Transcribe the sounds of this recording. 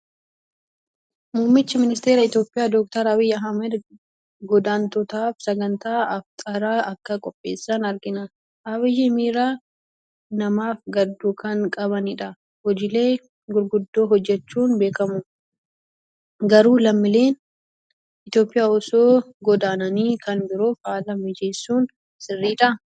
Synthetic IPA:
muːmːɪt͡ʃːɪmɪnɪst̪e̞ːɾɐɪt̪jo̞ːpʼɪjaːd̪ɔːk̚t̪ɐɾɐwɪjːɐɦɐmɛd̪ | ɡɔd̪aːnt̪ɔt̪aːfsɐɡɐnt̪aːɐft̪ʼɐɾaːɐkːɐkʼɔpʼːe̞ːsːanɐɾɡɪnɐ | ʔɐwɪjːɪmiːɾaː | nɐmaːfɡɐd̪ːuːkɐŋkʼɐβɐnɪᶑɐ | hɔd͡ʒɪle̞ː | ɡʊɾɡʊd̪ːoːɦɔd͡ʒːɛt͡ʃːuːnbeːkɐmʊ | ɡɐɾuːlɐmːɪle̞ːn | ɪt̪jo̞ːpʼːɪjaːɔsoː | ɡɔd̪aːnɐniːkʰɐnbɪɾoːfaːlɐmɪd͡ʒe̞ːsːuːn | sɪrːiːᶑɐ

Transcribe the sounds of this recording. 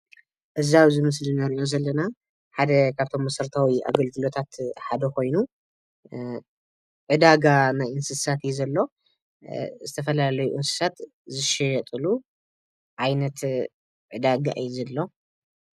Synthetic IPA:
ʔɨziaβzɨmɨslinaɾiʔo̞zɐlːɐna | ħad̪ɐkʰaβt̪ʰo̞mːɐsɐɾt̪ʰawiʔa̰ɡɐlɡɨlo̞t̪ʰat̪ħad̪ɐkʰo̞jnu | ʕɨd̪aɡanajɨnsɨsat̪jɛzɐlːo̞ | zɨt̪ʰɐfɐlaalɐjuʔɨnsɨ̥sat̪ | zɨʃɛjɐt̪ʼɨlu | ʕajnɐt̪ | ʕɨd̪aɡa̰ʔɨjzɐlːo̞

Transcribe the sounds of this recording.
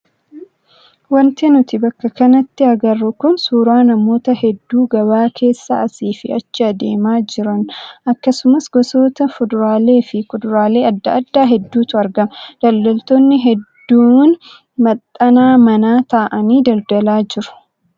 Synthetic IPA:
wɐnt̪eːnʊt̪ɪbɐkːɐkɐnɐt̪ːɪɐɡɐrːʊkʊnsuːɾaːnɐmo̞ːt̪ɐhɛd̪ːuːɡɐβaːkʰe̞ːsːa̰ːɐsiːfɪɐt͡ʃːɪɐd̪e̞ːmaːd͡ʒɪɾɐnʔɐkːɐsʊmɐsɡɔso̞ːt̪ɐfʊd̪ʊɾaːle̞ːfɪkʊd̪ʊɾaːle̞ːɐd̪ːɐɐd̪ːaːɦɛd̪ːuːt̪ʊɐɾɡɐmɐd̪̥ɐld̪ɐlt̪oːnːɪɦɛd̪ːuːn | mɐt̪ʼːɐnaːmɐnaːt̪aːʔɐniːd̪ɐld̪ɐlaːd͡ʒɪɾʊ̥

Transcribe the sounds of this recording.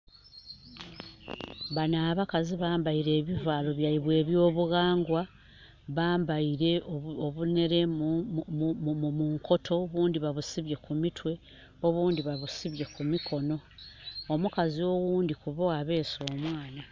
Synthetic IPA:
βanaːβakaziβaːmbaiɾe̞ːβivaːlo̞βjaiβwe̞ːβjo̞ːβuɣaːŋɡwa | βaːmbaiɾe̞oβune̞ɾe̞ | mmuŋkʰo̞tʰo̞βuːndiβaβusiβje̞kumitwe̞ | o̞βuːndiβaβusiβje̞kumikʰo̞no̞omukazio̞wuːndikuβo̞aβe̞ːso̞ːmwaːna

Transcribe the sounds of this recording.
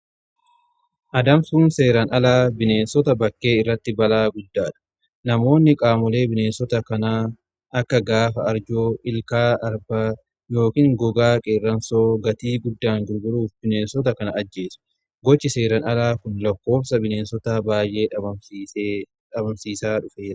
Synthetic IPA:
ʔɐd̪ɐmsuːnse̞ːɾɐnɐlaːbɪne̞ːnsɔt̪ɐbɐkːe̞ːɪrːɐt̪ːɪbɐlaːɡʊd̪ːaːᶑɐ̥ | nɐmo̞ːnːɪkʼaːmɔle̞ːbɪne̞ːnsɔt̪ɐkɐnaː | ɐkːɐɡaːfɐɐɾd͡ʒoːʔɪlkaːʔɐɾbaː | jo̞ːkiːŋɡɔɡaːkʼeːrːɐnsoːɡɐt̪iːɡʊd̪ːaːŋɡʊɾɡʊɾuːfbɪne̞ːnsɔt̪ɐkɐnɐɐd͡ʒːe̞ːsʊ̥ | ɡɔt͡ʃːɪse̞ːɾɐnɐlaːkʊnlɐkːo̞ːbsɐbɪne̞ːnsɔt̪aːbaːjʔe̞ːɐbɐ | ɐbɐmsiːsaːᶑʊfe̞ːɾɐ

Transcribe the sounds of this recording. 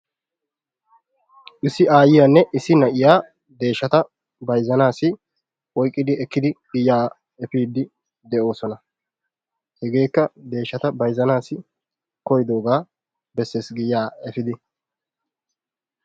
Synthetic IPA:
ʔɪsːɪaːjɪjaːnːɛʔɪsɪnɐʔɪjaː | d̪e̞ːʃːɐt̪ɐ | bɐjzɐnaːsɪ | ʔɔjkʼːɪd̪ɪɛkːɪd̪ɪɡɪjːaː | ɛfiːd̪ːɪ | d̪ɛʔo̞ːsɔnɐ | hɛɡe̞ːkːɐd̪e̞ːʃːɐt̪ɐbɐjzɐnaːsɪ | kɔjd̪o̞ːɡaː | bɛsːesɡɪjːaːɛfɪd̪ɪ

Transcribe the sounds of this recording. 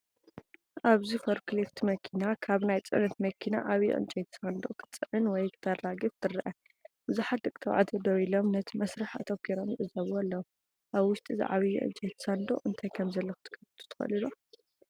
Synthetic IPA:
ʔaβzifoɾkʰlift̪mɐkʰinakʰaβnajt͡sʼɨ̰nɨt̪mɐkʰina̰ʔaβjɛ̰ʔɨ̰nt͡ʃʼɛjt̪ʰɐ̥sand̪o̞kʰɨ̥t͡sʼɨʕɨnwɔjkʰɨ̥t̪ʰɐraɡɨft̪ʰɨrʔɐ | bɨzuħat̪̚d̪ɨkʼt̪ʰɐβʕa̰t̪ʰɐd̪ɐwilomnɐt̪ʰimɐsɾɨħɐ̰t̪ʰomɡʰeɾomjɨʔɨzɐβualːɐwu | ʔaβwʊʃt̪ʼizḭʕa̰βijɛ̰ʔɨ̰nt͡ʃʼɛjt̪ʰɐ̥sand̪o̰ʔɨnt̪ʰajkʰɐmzɐlːɐxɨ̥t̪ʰɨ̥kʰːɐft̪ʰu̥t̪ʰɨ̥xɐ̰lɨlo

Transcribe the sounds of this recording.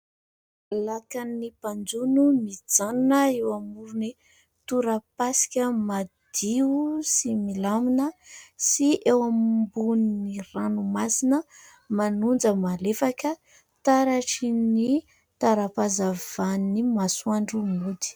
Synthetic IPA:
lakanːipand͡zunumid͡zannəewamuɾuni | t̪uɾəpasi̥kʲəmad̪̥iusimilaminəsiʔewambunniɾanumasinə | manund͡zəmalefakə | t̪aɾaʈ͡ʂini | t̪aɾapazavanimasuaɳɖ͡ʐumud̪i̥

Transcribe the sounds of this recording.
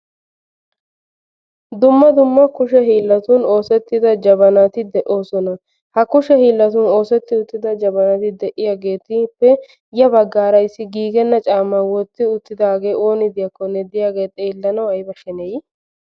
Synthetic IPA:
d̪ʊmːɐd̪ʊmːɐkʊʃɛɦiːlːɐt̪ʊno̞ːsɛt̪ːɪd̪ɐd͡ʒɐbɐnɐt̪ɪd̪ɛʔo̞ːsɔnɐ | hɐkʊʃɛhiːlːɐt̪̬ʊno̞ːsɛt̪ːɪʊt̪ːɪd̪ɐd͡ʒɐbɐnɐt̪ɪd̪ɛʔɪjaːɡe̞ːt̪ɪpːɛ | jɐbɐɡːaːɾɐjsːɪɡiːɡɛnːɐt͡ʃʼaːmːawɔt̪ːɪʊt̪ːɪd̪aːɡe̞ːʔo̞ːnɪd̪ɪjɐkːɔnɛd̪ɪjaːɡeːt̪ʼːɛɪlːɐnɐwɐjbɐʃɛnɛj

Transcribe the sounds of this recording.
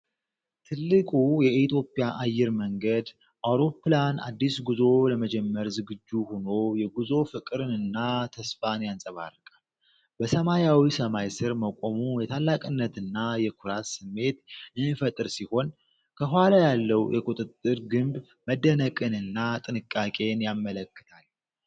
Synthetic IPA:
t̪ʰɨlːɨkʼujɛit̪ʰjo̞pʼjaʔajːɪɾməŋɡəd̪ | ʔawɾo̞pːlana̰d̪ːisɡuzo̞ləməd͡ʒɛmːəɾzɨɡɨd͡ʒːuhuno̞jɛɡuzo̞fɨkʼɨɾɨnɨnːat̪ʰəsfanjansʼəβa̰rːɨkʼal | bəsəmajawisəmajsɨɾməkʷʼo̞mujɛt̪ʰalːakʼɨnːət̪ɨnːajɛkʰuɾat̪sɨmːe̞t̪ɨnːifət̪ʼɨɾsiho̞n | kʰəɦʷwalajalːəwjʔɛkʼut̪ʼɨt̪ʼːɨɾɡɨmb | məd̪ːənəkʼɨnɨnːat̪ʼɨnɨkʼːakʼe̞njamːələkːɨ̥t̪ʰal

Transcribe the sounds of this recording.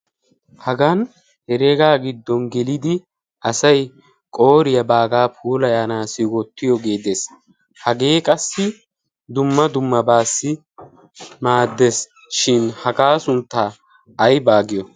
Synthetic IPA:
hɐɡɐn | hɛɾeːɡaːɡɪd̪ːɔnɡɛlɪd̪ɪ | ɐsɐj | kʼo̞ːɾɪjɐbaːɡaːpʰuːlɐjaːnaːsɪwɔt̪ːɪjɔɡe̞ːd̪es | hɐɡeːkʼɐsːɪ | d̪ʊmːɐd̪ʊmːɐbaːsːɪ | maːd̪ːes | ʃɪnhɐɡaːsʊnt̪ːaː | ɐjbaːɡɪjɔ

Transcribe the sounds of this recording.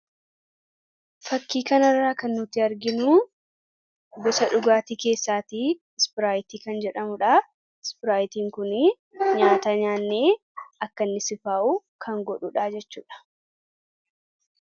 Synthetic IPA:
fɐkːiːkɐnɐrːaːkɐnːʊt̪ɪɐɾɡɪnuː | ɡɔsɐᶑʊɡaːt̪iːke̞ːsːaːt̪i | ɪspɪɾaːjt̪iːkɐnd͡ʒɛᶑɐmʊᶑaː | ɪspɪɾaːjt̪iːŋkʊnɪ | ɲaːt̪aːɲaːnːeː | ʔɐkːɐnːɪsɪfaːʔuːkʰɐŋɡɔᶑuᶑaːd͡ʒɛt͡ʃːuːᶑɐ̥

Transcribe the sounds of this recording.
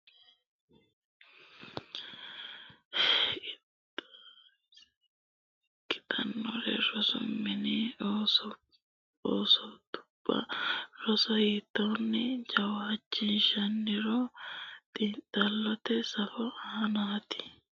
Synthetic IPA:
kɪ̥t̪ʼɐnːɔɾɛ̰ɾɔsʊ̰mːɪni | oːsɔt̪ʊ̥pːɐ̰ɾɔsɐhiːt̪ːɐnːɪd͡ʒɐwhɐt͡ʃːɪnʃɐnːɪɾɔt̪ʼiːnt̪ʼːɐlːɔt̪ɛsɐfɔaːnaːt̪ɪ̥

